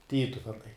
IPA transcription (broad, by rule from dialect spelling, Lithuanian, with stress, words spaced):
ˈtʲiːtʊʋʲɛnɐɪ